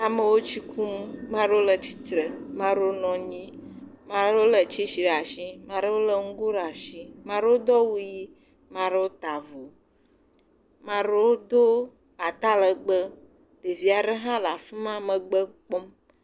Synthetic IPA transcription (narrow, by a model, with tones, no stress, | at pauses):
a˨mə˨wo˦t͡ʃi˦kʰu˦mːã˦ɖo˦lə˨t͡ɕi̥˦t̪ɾə˨mã˦ɖo˦nɔ̃˨ɲĩ˦ | mã˦ɾo˦lə˨t͡ʃi˦ʃi˨ɾa˨ʃi˦mã˨ɖe˦wo˦lə˨ŋ̩˦ɡo˦ɖa˨ʃi˦mã˦ɖe˦wo˦d̪ɔ˦wu˦ji˦ | mã˨ɖe˦wo˦t̪a˨vo˨ | mã˨ɖe˦wo˦d̪o˦ | a˨t̪a˦lə˨ɡ͡bə˦ | ɖe˨vi˨a˨ɖə˦ɦã˦la˨fi˦mã˦mə̃˨ɡ͡bə˦k͡po˦m